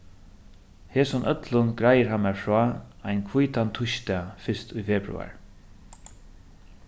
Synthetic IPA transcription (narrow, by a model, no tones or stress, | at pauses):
heːsʊnʔœt̪lʊnɡɾajəɹhamːɛɹfɹɔːajnkʰvujt̪ant̪ʰʊʃt̪afɪst̪ʊjfɛːpɹʉ̰a̰ɹ